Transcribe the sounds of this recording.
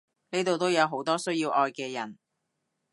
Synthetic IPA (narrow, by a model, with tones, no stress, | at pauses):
ne˥t̪o˨wt̪o˥wjɐ˨˧wɦo˨˥wt̪ɔː˥sɵ˥ɥjiː˧wʔɔː˧jkɛː˧jɐ˨˩n